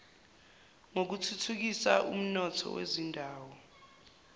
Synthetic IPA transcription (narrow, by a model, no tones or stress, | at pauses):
ŋok̬utʰutʰuk̬isaʔṵm̩nɔtʰɔ̰wḛzindʱaːwɔ